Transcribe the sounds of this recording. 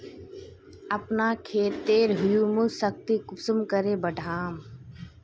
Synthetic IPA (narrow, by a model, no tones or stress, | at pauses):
ɐpnaːkʰeːt̪ːeːɾɦʊjumusək̚t̪ikʊpsəmkəɾebəɖʱaːm